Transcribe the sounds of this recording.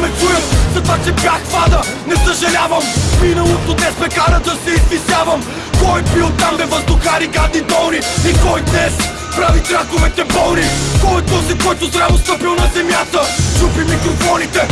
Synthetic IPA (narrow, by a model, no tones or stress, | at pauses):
mɛt͡ʃujəmzɐt̪vat͡ʃɛbʲjaxpad̪ənɛsɐʒɐlʲavəmminɐlˠot̪od̪nɛsmɛkaɾəd̪ɐsɛizvisjavəm | kɔjbilˠt̪amɛvɐzd̪ʊxaɾiɡad̪nit̪ɔlˠniikɔjd̪nɛs | pɾavit̪ɾakovɛt̪ɛbɔlˠnikɔjt̪ɔzɛkɔjt̪ʊzɾavost̪əpilˠnɐzɛmjat̪ət͡ʃufimikɾofɔnit̪ɛ